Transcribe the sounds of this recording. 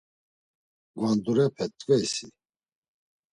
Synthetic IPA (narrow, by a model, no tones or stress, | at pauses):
ɡvand̪uɾɛpʰɛt̪ʼːkʼɛjsḭ